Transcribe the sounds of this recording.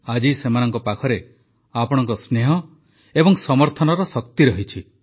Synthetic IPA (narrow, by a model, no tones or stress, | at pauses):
ad͡ʒisemanɔŋkɔpakʰɔɾe | apɔɽ̃ɔŋkɔsneɦɔ | ebɔŋsɔmɔɾt̪ʰɔnɔɾɔsɔkt̪iɾɔɦit͡ʃʰi